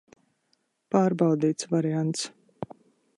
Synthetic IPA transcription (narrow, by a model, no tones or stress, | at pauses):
paːɾbɑwd̪iːt̪svaɾiant̪s